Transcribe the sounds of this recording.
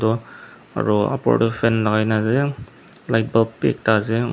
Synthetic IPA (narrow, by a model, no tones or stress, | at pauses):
dɔ | a̰ɹɔa̰pɔ̰dɔfʰɛnlaɡajnazɛ | lajt̚bapḛk̚tazɛ